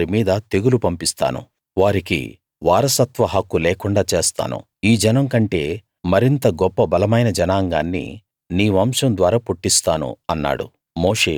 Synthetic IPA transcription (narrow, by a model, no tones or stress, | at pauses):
ɾimiːd̪ɐt̪e̞ɡulupɐmpist̪a̰ːnṵ | ʋaːɾikḭ | ʋaːɾɐsɐt̪ʋɐɦɐkːulɛːkuɳɖaːt͡ʃe̞ːst̪a̰ːnṵ | iːd͡ʒɐnɐŋkɐɳʈe̞ː | mɐɾint̪ɐɡɔpːɐbɐlɐmɐjnɐd͡ʒɐnaːŋɡaːnːḭ | niːʋɐmʂɐmd̪ʋaːɾaːpuʈːist̪aːnṵɐnːa̰ːɽṵ | mo̞ːʂe̞̰ː